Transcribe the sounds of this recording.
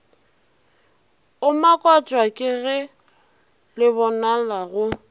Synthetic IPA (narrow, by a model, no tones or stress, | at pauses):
ʊmakʼwat͡ʃʼwakʼɪɣɪ | lɪbɔnalaɣʊ